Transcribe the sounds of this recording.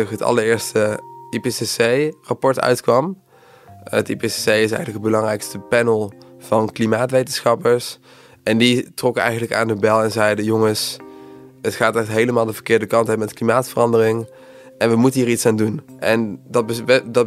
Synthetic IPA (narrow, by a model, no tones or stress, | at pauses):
ɦətɑ̰ləɹɪːɹstəipesesejrɑpɔɹtœ̰ɥtkʋɑm | ətipesesejɪs̬ɛ̰jɣənləkədbəlɑŋrɛjkstəpɛnəlˠv̥ɑnklimaːtʋejtənsχɑpəɹs | ʔɛnditrɔkəɛ̰jχənələka̰ːndəbɛlˠɛnzɛjdəjoŋəs | ətχaːtɛtɦejləmaːlˠdəvəɹkɪːɹdəkɑntɦɛəmɛtklimaːtfərɑndərɪŋ | ʔɛnʋəmutənɦiːɹitsaːndunʔɛndɑbdɑ